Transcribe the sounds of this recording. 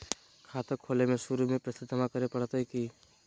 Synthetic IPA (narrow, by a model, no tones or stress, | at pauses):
kʰaːt̪əkʰoːlemẽʃʊɾumẽpɾɐsɪt̪əmakɐɾepɐɽt̪ɦikiː